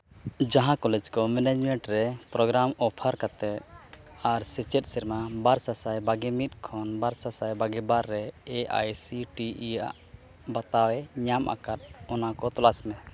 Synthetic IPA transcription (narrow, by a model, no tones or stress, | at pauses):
d͡ʒaɦãkɔlɛd͡ʒkɔmɛnɛd͡ʒmɛɳʈɾɛpɾɔɡɾamɔpʰaɾkat̪ɛt̪ | aɾsɛt͡ʃɛt̪̚ˀsɛɾmabaɾsasajbaɡɛmit̪̚ˀkʰɔnbaɾsasajbaɡɛbaɾːɛːʔa̰jsiʈia̰ʔ | bat̪awɛɲamʔa̰kat̪̚ɔnakɔt̪ɔlasmɛ